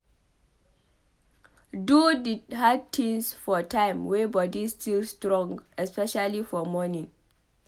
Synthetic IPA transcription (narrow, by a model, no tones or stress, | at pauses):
dudidhad̚tʰĩŋsfɔtãɪ̃mwɛbɔdistʰilstɾɔ̃ŋɡɛspɛʃalifɔmɔnĩŋ